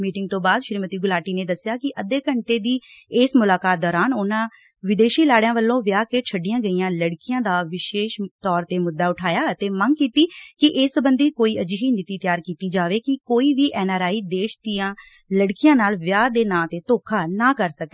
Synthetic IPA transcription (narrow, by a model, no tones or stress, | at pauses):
miːʈɪŋɡ̚t̪õːbaːd̪ʃɾiːmət̪iːɡʊlaːʈiːneːd̪əsɪjaːkɪʔəd̪eːkəɳʈeːd̪iːeːsmʊlaːkaːt̪̚d̪ɔːɾaːnʊnãː | ʋɪd̪eːʃiːlaːɽɪjãːʋəlːõːʋjaːkeːt͡ʃʰəɖːɪjãːɡəiːãːləɽkɪjãːd̪aːʋɪʃeːʃt̪ɔːɾt̪eːmʊd̪ːaːʊʈʰaːjaːət̪eːməŋɡkiːt̪iːkɪʔɪsbənd̪iːkoːiːəd͡ʒiɦiːnɪt̪iːt̪jaːɾkiːt̪iːd͡ʒaːʋeːkɪkoːiːʋiːʔɛːnaːɾaːiːd̪eːʃd̪iːãː | ləɽkɪjãːnaːlʋjaːd̪eːnãːt̪eːt̪oːkʰaːnaːkəɾsəke̥ː